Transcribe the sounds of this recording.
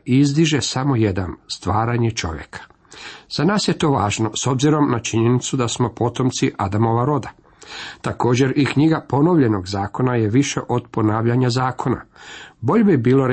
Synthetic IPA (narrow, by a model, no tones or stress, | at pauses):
izd̪iʒe̞samo̞je̞d̪anst̪ʋaːɾaɲe̞t͡ʃo̞̰ʋjḛkʰḁ | z̥anaːsje̞t̪o̞ːʋaːʒno̞so̞bziɾo̞mnat͡ʃiɲenit̪sud̪asmo̞po̞t̪o̞mt̪siʔad̪amo̞ʋaɾo̞d̪a | t̪ako̞ːd͡ʑe̞ɾikɲiɡapo̞noʋʎe̞no̞ɡzaːko̞naje̞ʋiʃe̞ʔo̞d̪po̞naːʋʎaɲazaːkʰo̞na̰bo̞ʎebibiːlo̞ɾ